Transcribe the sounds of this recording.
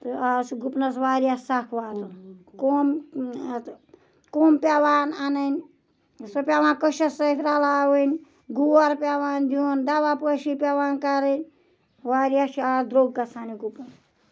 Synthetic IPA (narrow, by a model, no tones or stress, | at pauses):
t̪ɨaːsɡupnɐsʋaːɾjasakʰʋaːt̪ɐkoːm | koːmpʲaʋaːnanɐnʲ | sopʲaʋãːnkəʃɐsɐt̪ʰʲɾalaːwənʲ | ɡuɐɾpʲaʋaːnd̪iond̪aʋapəʃipʲaʋaːnkaɾɨnʲ | ʋaːɾʲjaʃiaːd̪ɾoːɡːɐsʰaniɡupnɐs